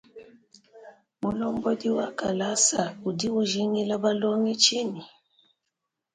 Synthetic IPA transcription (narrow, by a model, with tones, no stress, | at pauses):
mu˨lɔ˦mbɔ˦di˦wa˦ka˨la˦sa˨u˨di˦u˦ʒi˦ŋi˦la˦ba˦lɔ˦ŋi˦t͡ʃi˦ni˨